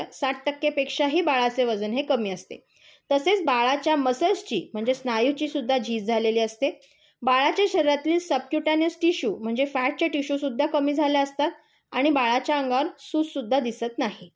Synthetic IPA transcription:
saʈ̚ʈəkːepekʂaɦiːbaɭat͡seʋəd͡zənɦekəmiːəst̪ḛ | t̪əset͡sbaɭat͡ɕjaməsəst͡ɕiːm̤əɳd͡zesnajut͡ɕiːsud̪ʱːad͡ʑʱiːd͡zd͡zʱaleliːəst̪e | baɭat͡ɕaɕəɾɾat̪liːlsəp̚kjuʈanəsʈiɕuːm̤əɳd͡zefæʈ̚t͡ɕjaʈiɕusud̪ʱːakəmiːd͡zʱaljaəst̪at̪̚ | aɽ̃ibaɭat͡ɕjaəŋɡaʋəɾsut͡ssud̪ʱːad̪isət̪naɦi

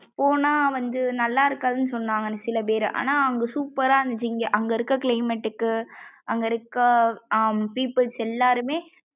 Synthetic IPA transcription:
pːoːnaːʋɐnd̪ɯnɐlːaːɪɾɯkːaːðɯnɯsɔnːaːŋɡɐnsɪlɐp̬eːɾɯʔa̰ːnaːɐŋɡɐsuːpːɐɾaːɐnd̪ɐd͡ʒɪŋɡɐʔɐŋɡɐɪɾɯkːɐkɪlɐɪmɛʈːɯkːɯʔɐŋɡɐɪɾɯkːɐ | piːpːɐlsɛlːaːɾɯmeː

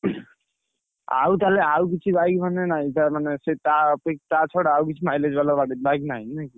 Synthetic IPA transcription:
a̰ut̪aleauk̬it͡ʃʰibajkbʱənenait̪amaneset̪apek̚t̪at͡ʃʰɔɽauk̬it͡ʃʰimajled͡ʒbalabaɽibajknaijnaki

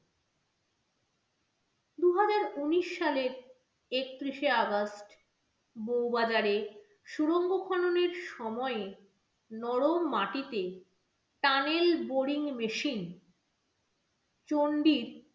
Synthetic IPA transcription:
d̪uɦad͡ʑaɾuniʃːaleɾ | ek̚t̪ɾiʃeaɡasʈ | bowbad͡ʑaɾe | ʃuɾoŋɡokʰɔnoneɾʃɔmɔe | nɔɽomaʈit̪e | ʈanelboɽiŋmeʃin | t͡ɕoɳɖiɾ

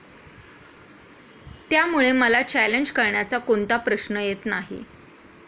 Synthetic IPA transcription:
t̪jamuɭeməlat͡ɕæleɲd͡ʑkəɾɳjat͡sakont̪apɾəɕnəjet̪naɦḭ

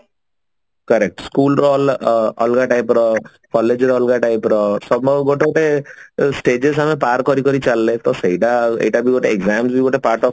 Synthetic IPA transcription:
kʌɾek̚ʈskulɾolɔlɡaʈajpɾɔ | kɔled͡ʒɾɔlɡaʈajpɾɔsɔbɔɡoʈeɡoʈesʈed͡ʒesamepaɾkɔɾikɔɾit͡ʃalːet̪ɔseɦiʈaḛjʈabiɡoʈeeɡzamsbiɡoʈepaɾʈɔ

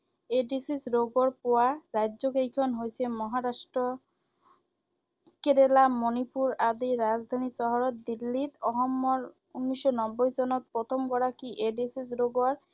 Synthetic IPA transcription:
eɖisisɾoɡɔɾpoaɾadzokejkʰɔnɦojsʰemɔɦaɾaʃʈɾɔ | keɾelamonipuɾad̪iɾad͡zd̪ʱanisɔɦɔɾɔt̪̚d̪ilːit̪ɔɦɔmːɔɾ | unːiʃɔnɔbːojd͡ʑɔnɔt̪̚pɾɔt̪ʰɔmkɔɽakiʔeɖisis̬ɾoɡɔɾ

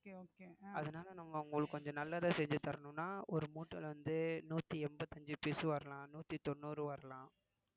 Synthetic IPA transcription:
oːkeɐðɐnaːlɐnɐŋɡɐʊŋɡɐɭɯkːɔɲd͡ʒɔ̃nɐlːɐðãːsɛɲd͡ʒɯt̪ɐɾɐɳʊ̃nːaːɔɾɯmuːʈːɐlʋɐnd̪ɯnuːt̪ːiɛmbɐt̪ːɐɲd͡ʒɯpeːsɯʋɐɾɐlãːnuːt̪ːit̪ɔɳːuːɾɯʋɐɾɐlãː

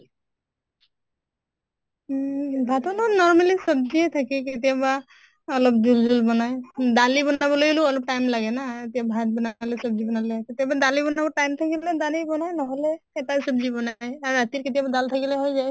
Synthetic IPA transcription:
bʱat̪ɔnɔnɔɹmalisɔb̚ziɛt̪ʰakiket̪ijaba | ɔlɔb̚d͡ʒuld͡ʒulbɔnajd̪alibɔnabɔloluɔlɔb̚ʈajmlaɡɛnaet̪ijabʱat̪̚bɔnalɛsɔb̚d͡ʒibɔnalɛket̪ijabadalibɔnabɔʈajmt̪ʰakilɛd̪alibɔnajnɔɦɔlɛːtasɔbzibɔnajaɹat̪iɾket̪ijabad̪alt̪ʰakilɛɦojzaj

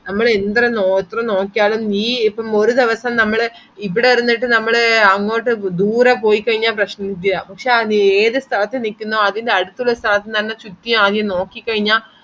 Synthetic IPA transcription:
nɐmːɐɭend̪rɐnot̪ːrɐmno̞ːkːijaːɭumiːipːɐmoɾud̪iʋɐsɐmnɐmːɐɭ | ipːiɽeʋɐɾunːiʈːɨnɐmːɐɭeɐŋːo̞ːʈːɨd̪uːɾɐpo̞ːjikːɐɻiɲːaːprɐɕnɐnid̪jɐapɐkʂeɐnieːðɨst̪ʰɐlɐt̪ːɨnikʲːunːoːɐðinɖeɐɽut̪ːuɭːɐst̪ʰɐlɐt̪ːɨt̪ɐnːɐt͡ɕut̪ːijuaːd̪jɐmno̞ːkːikːɐɻiɲːaː

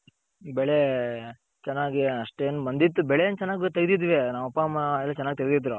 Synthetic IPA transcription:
bɛɭe | t͡ʃɛnːaːɡiɐʂʈeːnubɐnd̪it̪̬ːubɛɭejent͡ʃɛnːaːɡt̪ɐɡd̪id̪ʋenaːʋɐpːamɐɛlːɐt͡ʃɛnːaːɡit̪ɐɡd̪id̪ɾu

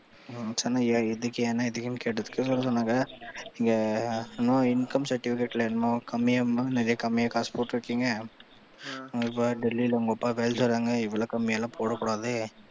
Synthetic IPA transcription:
sɐnːajaɪðɯkːɐɛnːaɪðɯkːjɪmkeːʈːɐðɯkːɯsɔlːɐsɔnːaːŋɡɐɪŋɡɐɪnmoːɪnkɐmsɐɾʈɪfɪkeʈːlɐɪnmoːkɐmːɪjɐmnɛɾɐjɐkɐmːɪjɐkaːspoːʈːɪɾɯkːiːŋɡɐ | ʊŋɡɐɪpːaɖɛlːilɐʊŋɡɐɔpːaːʋeːlsɔɾːaːŋɡɐɪʋɐɭoːkɐmːɪjɐlãːpoːɽɐkːʊɽaːðɯ

